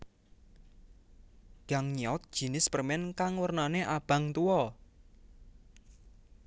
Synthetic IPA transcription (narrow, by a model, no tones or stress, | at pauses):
ɡ̥a̤ŋɲiɔt̪̚d̥ʒ̥i̤nɪspərmɛnkaŋwərnaneʔab̥a̤ŋt̪uɔ